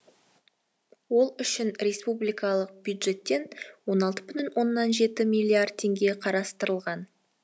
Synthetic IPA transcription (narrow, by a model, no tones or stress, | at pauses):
wo̞lˠʏʃɪnɾe̞spublijkɑlˠəq̚b̥jud̪ʒe̞t̪ːe̞nwo̞nɑlˠt̪ə̥bʏt̪ʏnwo̞nːɑnʒe̞t̪ɪmijlʲˠiard̪̚t̪ʰe̞ŋɡʲe̞qʰɑɾɑst̪əɾəlˠʁɑn